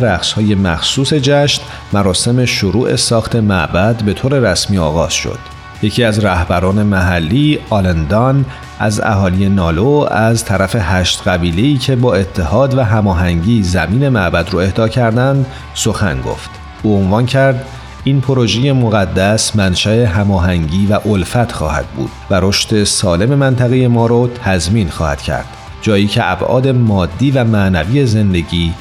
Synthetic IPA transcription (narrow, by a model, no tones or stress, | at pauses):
ɾæxshɒːje̞mæ̰xsuːse̞d͡ʒæʃt̪ | mæɾɒːse̞me̞ʃoɾuːʔe̞sɒːxt̪ʰe̞mæʔbæd̪be̞t̪ʰoːɾe̞ɾæsmiːɒ̰ːɣɒːz̥ʃo̰d̪̥ | je̞cʰiːæzɾæhbæɾɒːne̞mæɦælːiːɒlend̪ɒn | ʔæ̰zæ̰hɒːlije̞nɒːloæzt̪ʰæɾæfe̞hæʃt̪ɡæbiːle̞iːcʰe̞bɒːe̞t̪ʰːe̞hɒːd̪væɦæmɒːɦæŋɟiːzæmiːne̞mæʔbæd̪ɾoe̞hd̪ɒːcʰæɾd̪ænd̪ | so̞xæ̰nɡo̰ft̪ | uːo̞nvɒːncʰæɾd̪ | iːnpʰoɾo̞ʒeje̞moɣæd̪ːæsmænʃæe̞ɦæmɒːɦæŋɟiːvæʔolfæt̪ʰxɒ̰ːhæ̰d̪̥̚bṵːd̪̥væɾo̞ʃt̪e̞sɒːle̞me̞mænt̪ʰæɣeje̞mɒːɾɔt̪ʰæzmiːnxɒ̰ːhæ̰d̪̥cʰæ̰ɾd̪̥ | d͡ʒɒːjiːcʰe̞ʔæbʔɒ̰ːd̪e̞mɒːd̪ːiːvæmæʔnæviːe̞ze̞nd̪e̞ɟiː